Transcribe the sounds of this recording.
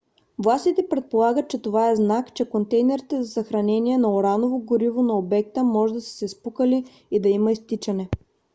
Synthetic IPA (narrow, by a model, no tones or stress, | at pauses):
vlˠast̪it̪ɛpɾɛt̪̚polˠaɡət̪̚t͡ʃɛt̪ovaɛznakt͡ʃɛkont̪ɛjnɛɾit̪ɛzɐsɐxɾɐnɛniɛnɐoɾanovoɡʊɾivonɐobɛk̚t̪əmɔʒɛd̪ɐsə̥sɛspukəli | id̪ɐiməist̪it͡ʃɐnɛ